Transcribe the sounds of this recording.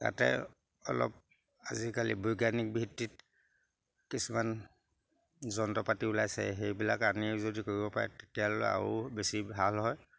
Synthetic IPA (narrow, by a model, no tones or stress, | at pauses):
ta̰tɛ̰ | ɔ̰lɔ̰p̚ | azikalḭbojɡanik̚bʱitːit | kisuman | zɔnɔtɔpatiulajsɛ̰xejbilakanizodikoɹibɔpaɹɛ̰tetijaloa̰ɹṵbesiɦalɦɔj